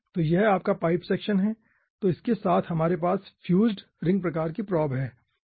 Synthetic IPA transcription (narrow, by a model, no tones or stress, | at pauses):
t̪oːjɛɦaːp̚kapaːɪpsɛːkʃənɦɛː | t̪oɪskesaːt̪ʰɦɐmaːɾepaːsfʰjuːd͡ʒɖ | ɾɪ̃ŋɡ̚pɾɐkaːɾkipɾɔːbɦɛː